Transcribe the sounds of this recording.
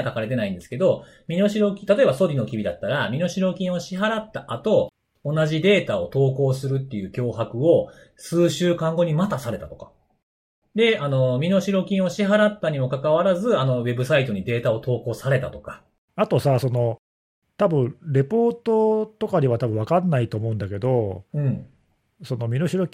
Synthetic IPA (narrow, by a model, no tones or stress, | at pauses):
kakaɾe̞t̪e̞naĩnd̪esɨ̥ke̞d̪o̞ | mʲino̞ɕiɾo̞kʲit̪at̪o̞e̞baso̞ɾʲino̞kʲibʲid̪at̪ːaɾamʲino̞ɕiɾo̞kʲĩɰ̃o̞ɕiɦaɾat̪ːaʔat̪o̞ː | naʑid̪e̞ːt̪ao̞t̪o̞ːko̞ːsɨɾɯ̟t̪ːe̞jɯ̟ːkʲo̞ːɦakɯ̟o̞ | sɨːɕɨːkãŋɡo̞ɲ̟imat̪asaɾe̞t̪at̪o̞̥kḁ | d̪e̞ano̞mʲino̞ɕiɾo̞kʲĩɰ̃o̞ɕiɦaɾat̪ːaɲ̟imo̞kakaβ̞aɾazɨano̞βe̞bɯ̟sait̪o̞ɲ̟id̪e̞ːt̪ao̞t̪o̞ːko̞ːsaɾe̞t̪at̪o̞̥kḁ | at̪o̞saso̞no̞ | t̪abɯ̟̃ɴɾe̞po̞ːt̪ot̪o̞kaɲiβat̪abɯ̟̃βakanːait̪o̞ːmo̞ɯ̟̃nd̪ake̞d̪o̞ɯ̟̃ɴ | so̞no̞mʲinoɕiɾo̞kʲ